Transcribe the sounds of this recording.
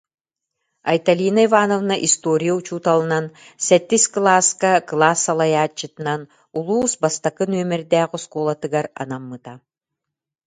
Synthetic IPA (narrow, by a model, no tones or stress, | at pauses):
ɐ̰jt̪alʲiːnaivaːnɔvnaʔist̪oːɾʲijaut͡ɕuːt̪alˠɯnan | sɛt̪ːisklˠaːskaklˠaːsːalˠajaːt͡ɕːɯt̪ɯnan | ulˠuːsbast̪akɯnyœmɛɾd̪æːʁɔskuːlˠat̪ɯɡaɾa̰namːɯt̪a